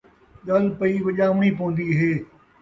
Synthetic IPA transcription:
ɗɐlpɐiʋɐʄaʊɳ̃iːpoːə̃nd̪iːɦeː

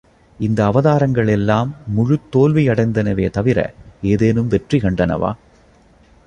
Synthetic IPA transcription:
ɪnd̪ɐːʋɐðaːɾɐŋɡɐɭɛlːaːmːʊɻʊt̪ːoːlʋiɐɽɐɪnd̪ɐnɐʋeːt̪ɐʋɪɾɐ̰eːðeːnɯmʋɛʈrikɐɳɖɐnɐ̰ʋa̰ː

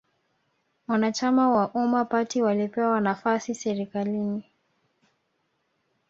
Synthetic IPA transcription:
wanat͡ʃamawaʔumapatiwalipɛwanafasisɛɾikalini

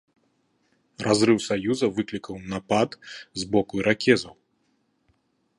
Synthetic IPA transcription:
razɾɨwsajuzɐvɨklʲikɐwnapat̪zbɔkuiɾakʲɛzɐw

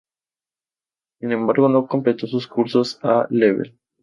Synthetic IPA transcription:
sinẽ̞mbaɾɣo̞no̞ko̞mplet̪o̞s̬uskuɾso̞saleβḛl

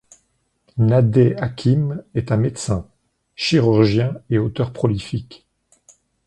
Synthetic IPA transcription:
nad̪eakʲʰimɛt̪ɛ̃met̪sɛ̃ | ʃiʁyʁʒjɛ̃eot̪œʁpχɔlifik

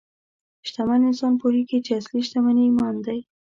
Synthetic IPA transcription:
ʃt̪amanɪnsɑnpohiket͡ʃeasliʃt̪amanimɑnd̪aj

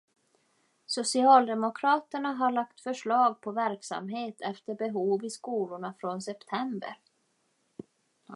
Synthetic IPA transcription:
sʊsɪɑːld̪ɛmʊkʰɾɑːt̪əɳaɦaɭakt̪fœʂɭɑːɡ̚pʰɔvæɾksa̰mɦeːt̪ʰɛft̪əɾbɛɦuːvɪskuːlʊɳafɾonsɛpt̪ʰɛmbə̰ɾ

